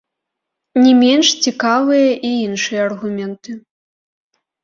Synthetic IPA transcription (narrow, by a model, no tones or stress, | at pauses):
nʲɛmʲɛnʂt͡sʲikavɨjɐʔiinʂɨjɐɐrɣumʲɛnt̪ɨ